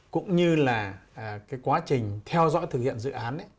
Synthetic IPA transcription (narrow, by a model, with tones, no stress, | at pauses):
kʊ̰˧˥ŋ͡mɲɨ˧laː˨˩˨kaː˨˦jkwaː˨˦t͡ɕï˨˩ŋ̟t̪ʰɛ˧wzɔ̰˧˥jt̪ɨ˨˩k̚hḭ˧˨ənzɨ̰˧˨ʔaː˨˦nʔ